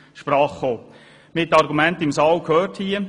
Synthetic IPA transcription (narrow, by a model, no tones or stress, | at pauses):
ʃpɾɑːχːoː | mɪt̪ːɑɾɡumɛntɪmsɑːwkʰøːrthiə